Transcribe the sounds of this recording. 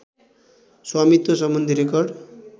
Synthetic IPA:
swamit̪ːosʌmːʌnd̪ʱiɾekʌrɖ

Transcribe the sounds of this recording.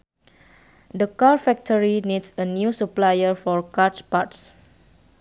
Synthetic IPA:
dəkaɹfɛk̚tʰəɹinidsənjusuplajəfɔɹkatpats

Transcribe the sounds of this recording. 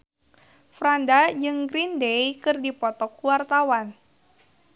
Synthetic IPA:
fɾandad͡ʒɨŋɡɾindejkɨrdipɔt̪ɔkuwart̪awan

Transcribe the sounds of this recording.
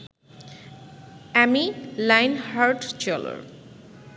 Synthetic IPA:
ɛmilajnhaɾʈt͡ɕɔlo̰ɾ

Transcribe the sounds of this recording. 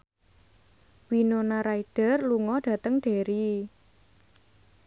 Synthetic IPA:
winonaɾaiɖ̥ə̤rluŋɔɖ̥ä̤t̪əŋɖ̥e̤ɾi

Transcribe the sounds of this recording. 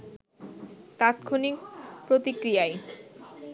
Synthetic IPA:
t̪at̪kʰonik̚pɾot̪ikɾijaj

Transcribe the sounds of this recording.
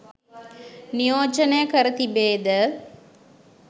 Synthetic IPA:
nijoːt͡ʃɐnejɐkəɾət̪ibeːd̪ə

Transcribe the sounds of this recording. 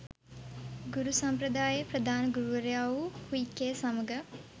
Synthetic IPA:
ɡuɾusamprəd̪aːjəprəd̪ʱaːnəɡuɾuʋəɾjaːʋukuikːeːsaməɡə

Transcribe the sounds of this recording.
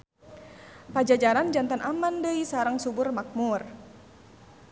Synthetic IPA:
pad͡ʒad͡ʒaɾand͡ʒant̪anʔamandəisaɾəŋsubʊrmak̚mur

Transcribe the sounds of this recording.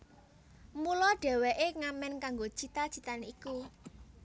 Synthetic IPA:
mulɔɖ̥ɛ̤wɛʔeŋamɛnkaŋɡo̥t͡ʃit̪ḁt͡ʃit̪aniku

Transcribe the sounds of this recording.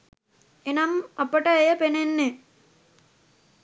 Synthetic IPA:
enamɐpəʈəejəpenenːe

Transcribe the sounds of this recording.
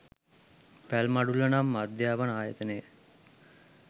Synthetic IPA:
pælmaɖulənamːad̪jaːʋənaːjət̪ənəjə

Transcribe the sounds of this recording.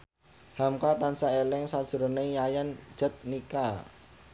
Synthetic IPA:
hamkat̪ansaelɛŋsad̥ʒ̥ṳɾoneŋjajand̥ʒ̥ə̤t̪̚nika

